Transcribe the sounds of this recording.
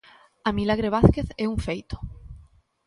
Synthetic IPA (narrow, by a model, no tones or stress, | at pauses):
amilaɣ̞ɾeβ̞aθke̞θeuɱfejt̪o̥